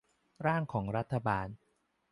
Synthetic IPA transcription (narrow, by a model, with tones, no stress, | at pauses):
ɾaː˥˩ŋkʰɔː˩˦ŋɾa˦˥t̪ʰːa˧baː˧n